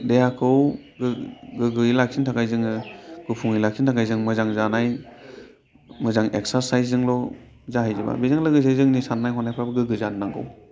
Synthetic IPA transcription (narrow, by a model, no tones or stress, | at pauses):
dejakʰɯw | ɡɯɡɯɡɯilak̚sʰintʰakajzɯŋɯɡ̥ɯpʰuŋilak̚sʰintʰakajzɯŋmɯzaŋzanaj | mɯzaŋek̚saɾsajsɯŋlɔ | zaɦajzɯba̰bizaŋlɯɡɯzajzɯŋnisanːajɦɔnajpʰɾabaɡɯɡɯzanːaŋɡɯ̰w